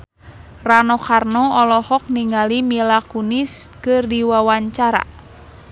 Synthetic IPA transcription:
ranɔkarnɔɔlɔhɔk̚niŋalimilakuniskɨrdiwawaɲt͡ʃaɾa̰

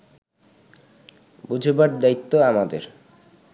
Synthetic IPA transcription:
bud͡ʑʱebaɾd̪ait̪ːoamad̪ḛɾ

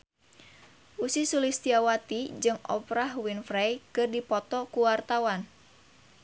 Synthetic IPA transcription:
ʔusisulist̪iawat̪id͡ʒɨŋɔ̰pɾahwinfɾajkɨrdipɔt̪ɔkuwart̪awan

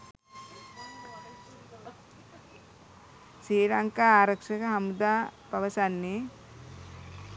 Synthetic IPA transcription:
ʃiːɾɐŋkaaːɾɐkʂɐkɐɦɐmud̪aːpɐʋɐsanːi

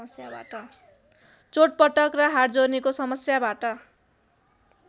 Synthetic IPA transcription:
sjaba̰ʈʌ | t͡soʈ̚pʌʈʌkrʌɦaʈd͡zornekosʌmʌsjabaʈʌ

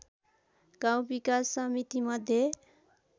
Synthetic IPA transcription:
ɡ̥aw̃bikasːʌmit̪imʌd̪ʱje

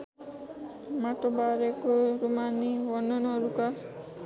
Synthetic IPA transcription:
maʈobaɾekoɾumanːiwʌnːʌnːɾuka

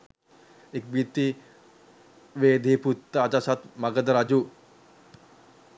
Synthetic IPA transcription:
ɪk̚bit̪i | wed̪eput̪ːat͡ʃasat̪̚maɡəd̪ɾad͡ʒu

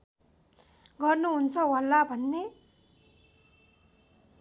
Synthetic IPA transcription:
ɡʌrnuɦunt͡sʰʌwalːabʱʌnːe

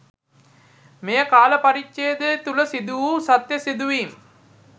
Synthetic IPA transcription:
mejəkaːlɐpɐɾit͡ʃːejəd̪et̪uləsid̪uʋuːsɐt̪jɐsid̪uʋiːm

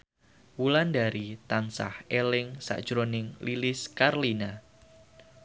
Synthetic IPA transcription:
wulandaɾit̪ansa̰helɪŋsa̰ʔd̥ʒ̥ɾonɪŋlilɪskarlina

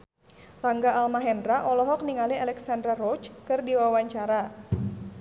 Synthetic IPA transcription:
raŋɡaːlmaɦɛndɾaʔɔlɔɦɔk̚niŋalialɛksandɾarɔt͡ʃkɨrdiwawaɲt͡ʃaɾa

